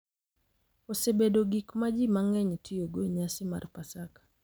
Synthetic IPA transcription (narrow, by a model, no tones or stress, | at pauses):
osebedoɡikmad͡ʒimaŋɛɲtʰioɡoɲasɪma̰rpasakḁ